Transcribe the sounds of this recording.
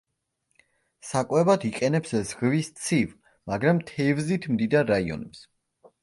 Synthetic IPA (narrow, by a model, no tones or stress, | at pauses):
sakʼwɛvat̪ʰiqʼɛnɛpszʁvist̪sʰiv | maɡɾamt̪ʰɛvzit̪ʰmd̪id̪aɾːaiɔ̰nɛps